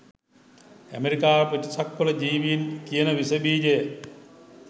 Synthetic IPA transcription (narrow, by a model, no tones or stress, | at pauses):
æ̰meɾikaːʋepətisɐkːolɐd͡ʒiːʋijinkijənɐʋisɐbiːd͡ʒej